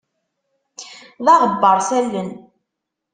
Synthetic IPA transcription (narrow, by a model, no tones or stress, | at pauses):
ðɑʁəbːəɾˤsælːən